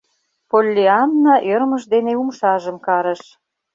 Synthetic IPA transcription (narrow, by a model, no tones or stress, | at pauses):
polʲːeɑnːɑʔɤɾməʃd̪eneumʃɑʒə̆mkɑɾə̆ʃ